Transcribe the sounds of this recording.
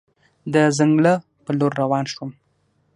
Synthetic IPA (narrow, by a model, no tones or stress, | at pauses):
d̪əzaŋɡlə | pəloɾːawɑnʃwum